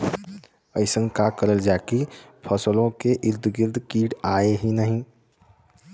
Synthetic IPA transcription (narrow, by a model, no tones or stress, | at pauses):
əɪsə̃ŋɡkakəɾəld͡ʒaːki | pʰəsəlõkeʔɪɾd̪ɡɪɾd̪kiːʈaːeɦinəɦĩ